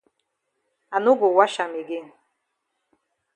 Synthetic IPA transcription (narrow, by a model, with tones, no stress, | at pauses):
a˨nu˦ɡʊ˨wa˦ʃa˨mi˨ɡe˦n